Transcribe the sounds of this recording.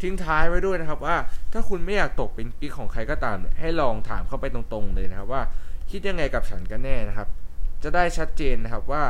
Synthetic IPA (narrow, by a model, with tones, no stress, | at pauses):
t̪ʰi˦˥ŋt̪ʰaː˦˥jwa˦˥˩du˥˩əjna˦˥kʰa˦˥p̚waː˥˩t̪ʰaː˥˩kʰu˧nma˥˩jaː˨˩k̚t̪o˨˩k̚pe˧npi˦˥kʰɔː˩˦ŋkʰa˧jkɔː˧˩t̪aː˨˩mha˥˩jlɔː˧ŋt̪ʰa̰ː˩˦mkʰa˥˩wpa˧jt̪o˧ŋt̪o˧ŋlɤː˧jna˦˥kʰa˦˥p̚waː˥˩kʰi˦˥t̪̚ja˧ŋːa˧jka˨˩p̚t͡ɕʰa˦nkaː˥˩nɛː˥˩na˦˥kʰa˦˥p̚t͡ɕa˨˩daː˥˩jt͡ɕʰa˦˥t̪̚t͡ɕeː˧nːa˦˥kʰa˦˥p̚waː˥˩